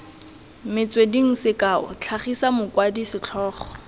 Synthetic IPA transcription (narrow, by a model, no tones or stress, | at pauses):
mɪt͡swediŋ̩sɪkaːʊ̰t͡ɬʰaχisamʊkwadisɪt͡ɬʰɔːχɔ̥